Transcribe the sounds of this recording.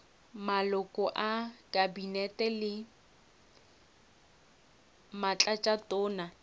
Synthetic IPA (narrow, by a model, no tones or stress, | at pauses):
malʊkʼɔʔakʼabinɛtʼɛlɪ | mat͡ɬʼat͡ʃʼatʼɔːna